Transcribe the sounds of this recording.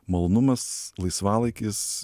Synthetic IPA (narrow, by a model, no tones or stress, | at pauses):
mɐlˠoːnʊmɐslˠɐɪsʋɑːlˠɐɪkʲɪs